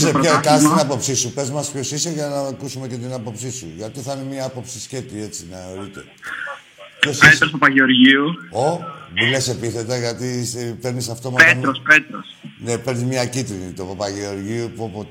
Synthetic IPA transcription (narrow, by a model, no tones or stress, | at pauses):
zepekɐnst̪inɐpo̞psisupe̞zmɐspço̞sisoʝɐnɐkusume̞cet̪̬inɐpo̞psisuʝɐt̪iθɐinemɐɐpo̞psisce̞t̪ie̞t͡sinɐoɾit̪e̞̰ | pçoset̪ɾospopɐʝeoɾʝiuobulese̞piθe̞t̪ɐʝɐt̪ipe̞ɾnisɐft̪o̞mɐpemɾospet̪ɾosnepeɾnizmɲɐcit̪ɾinit̪opɐpɐʝeo̞ɾʝiupopo